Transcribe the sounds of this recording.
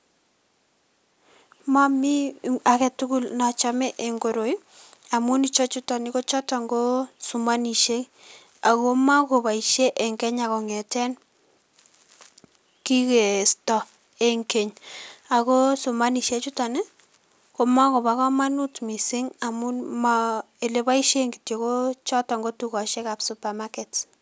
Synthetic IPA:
ma˦mi˦a˨kɛ˨tu˦ku˦lna˨t͡ʃa˨mɛ˦ʔe˨ŋɡo˨ɾo˨j | a˨mʊ˦ni˨t͡ʃɔ˦t͡ʃu˦ta˨ni˦ko˦t͡ʃɔ˦ta˨ŋɡo˦su˨ma˦ni˨ʃe˦ | a˨ko˦ma˦ko˨ba˨i˨ʃe˦ʔe˨ŋkɛ˦ɲa˨kɔ˨ŋɛ˨tɛ˦n | ki˦ke˨stɔ˨ | e˦ŋke˨ɲa˨ko˦su˨ma˦ni˨ʃe˦t͡ʃu˦ta˨nɪ˦ | ko˨ma˦ko˨ba˨˦kɔ˦ma˦nu˦tmi˨sɪ˦ŋa˨mu˦nma | e˨le˨ba˦i˦ʃe˦ŋɡi˨tje˨ko˦t͡ʃɔ˦tɔ˨ŋɡo˦tu˦kɔ˨ʃe˦ka˨psu˨pa˨ma˦kɛ˨t

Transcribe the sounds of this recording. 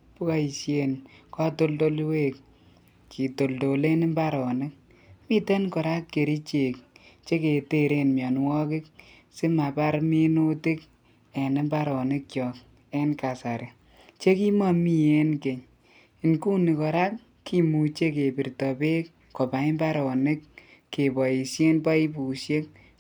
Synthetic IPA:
pu˦ka˦i˨sje˨nka˦to˦ldo˦lwe˦k | kʰi˨to˨ldo˨le˦ni˦mba˦ɾɔ˨nɪ˦k̚ | mi˦tɛ˦nkɔ˨ɾa˦kːe˨ɾi˦t͡ʃe˨kt͡ʃe˦ke˨te˦ɾe˦nmjɔ˨n˦wɔ˦kɪ˦k | sɪ˦ma˨pa˦ɾmi˦nu˦tɪ˦k | e˨ni˦mba˦ɾɔ˨nɪ˦k̚kjɔ˨k | e˦nka˨sa˨ɾe˨ | t͡ʃe˦ki˦ma˦mi˦e˦nke˨ɲ | i˨nku˦ni˨kɔ˨ɾa˦k | kːi˦mu˨t͡ʃe˦k̬e˨pi˨rtɔ˨pe˦k | kɔ˨pa˨i˦mba˦ɾɔ˨ne˦kke˨bɔ˨i˨sje˦npa˦i˦pu˨ʃje˦k̚

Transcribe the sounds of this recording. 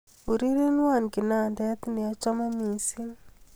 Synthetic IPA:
u˨ɾi˦ɾe˦nwa˦˨nkɪ˨na˨ndɛ˦t̪nɪ˨a˨t͡ʃɔ˦ma˦mi˨si˦

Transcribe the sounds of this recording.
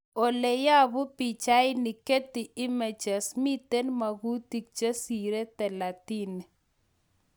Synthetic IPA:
o˨le˨ja˦bʊ˦pi˨t͡ʃa˦ɪ˦nɪ˨ke˦t̪i˨ɪ˦me˨d͡ʒɛ˨smi˦t̪e˦nma˨ɡu˦t̪i˨k̚t͡ʃa˦si˨ɾe˦t̪ɛ˨la˨t̪i˦ni˨

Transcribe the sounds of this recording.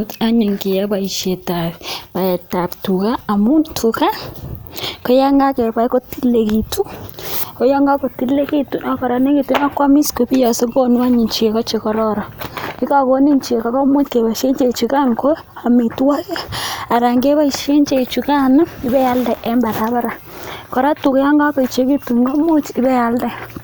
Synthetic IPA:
ta˦ɲi˨ŋke˨jɛ˦ba˨i˨ʃje˨ta˨βpa˨ɛ˨ta˨ptu˨ka˦a˨mu˦ntʰu˨ka˦ | ko˦ja˦ŋɡa˦kɛ˨pa˨˦i˦ko˦ti˦le˨ki˨tu˦ | o˦jɔ˦ŋɡa˦ko˨ti˦le˦ki˦tu˦na˨kɔ˨ɾa˨ne˦ki˨tu˦na˦kwa˦mi˦sko˨pi˦jɔ˨se˦ko˦nwa˦ɲi˨ɲt͡ʃi˨e˨kɔ˦t͡ʃe˨kɔ˦ɾɔ˦ɾɔ˨i˦ka˨ko˦ni˦ɲt͡ʃi˨e˨ka˨kɔ˦mu˦te˨βa˨ʃe˦ɲt͡ʃe˨t͡ʃu˨ka˦ŋko˦ | a˨mi˨twa˦ke˦a˨ɾa˨ŋɡe˦βa˦i˨ʃe˦ɲt͡ʃe˨t͡ʃu˨ka˦na˦i˦bɛ˦ja˦ldɛ˨ʔɛ˦mba˨ɾa˨˦βa˦ɾa˨ | kɔ˨ɾa˦tu˨ka˦ja˦ŋɡa˦kɔ˨i˨t͡ʃe˦ki˦tu˨ŋɡo˦mu˦t͡ʃi˦bɛ˦a˨˦ldɛ˦˨

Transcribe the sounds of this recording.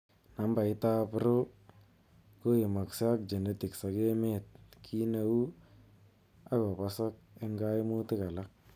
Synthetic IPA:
na˨˦mba˨ɪ˦ta˦pɪ˦ɾo˦ | ko˦ɪ˨ma˨ksa˦k̚d͡ʒe˨ne˦tɪ˨ksa˨ke˦me˦t̚kʰi˦na˨wu˦ | a˦ko˨pa˦sa˦k̚ | e˦ŋɡa˦ɪ˦mu˦tɪ˦ka˨la˦k̚

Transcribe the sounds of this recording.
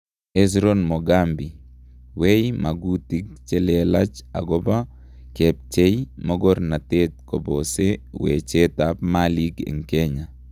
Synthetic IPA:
es̬ɾonmo˨ɡambi˨ | we˦jma˨ɡuti˦k̚t͡ʃe˦lɛla˦t͡ʃa̰˨ɡɔba˦ | kɛp̚t͡ʃe˦jmoɡɔ˦rna˨tet̪̚kɔ̰˨bosewḛt͡ʃe˦tapmali˦kḛ˨ŋkɛɲa˨

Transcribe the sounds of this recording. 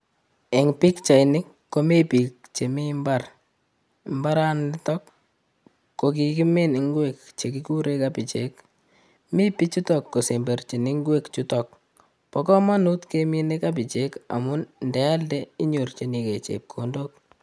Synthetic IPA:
ɛ˨ŋpi˦kt͡ʃa˨ɪnɪ˦kːo˦me˦pi˨kt͡ʃe˨mi˦mba˦r | mba˦ɾa˦nɪ˦tɔ˦kː | o˨k̬i˨ki˦me˦nɪ˨ŋɡwe˦kt͡ʃe˨ki˦ku˦ɾe˦ka˦pi˨t͡ʃe˦k | mi˦pi˦t͡ʃu˦tɔ˨kːo˨se˨mbe˨rt͡ʃi˨nɪ˦ŋɡwe˦kt͡ʃu˦tɔk̚ | pɔ˨kɔ˦ma˦nu˦tke˦mi˦ne˦ka˦p̬i˨t͡ʃe˦ka̰˨mʊ˦nndɛ˨a˦ldɛ˦i˦ɲo˨rt͡ʃe˦ni˨ke˨t͡ʃḛ˨k̚kʰːo˨ndo˦k̚

